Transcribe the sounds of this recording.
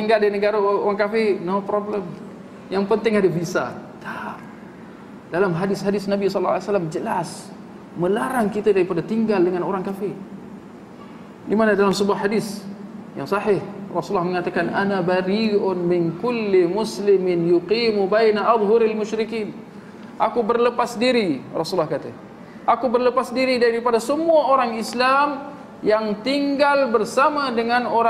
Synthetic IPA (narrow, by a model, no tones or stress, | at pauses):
t̪iŋɡaldinəɡaɾaoɾaŋkafɪrnopɾobləm | jaŋpənt̪ɪŋadabisat̪a | dalamɦadɪshadɪsnabisɔlːaasalamd͡ʒəlas | məlaɾaŋkit̪adaɾipadat̪iŋɡaldəŋanoɾaŋkafɪr | dimanadalamsəbuahadɪsjaŋsɑɦɪhrɑsulːɑhməŋat̪akanʔanabaɾiʊnmɪnkʊlːimʊslɪmɪnjuqiːmubajnaʔad̪ˤɦʊɾalmʊʃɾɪkiːn | ʔakubərləpasdiɾirɑsulːɑhkat̪a̰ | ʔakubərləpasdiɾidaipadasəmuaoɾaŋislam | jaŋt̪iŋɡalbərsamadəŋanoɾa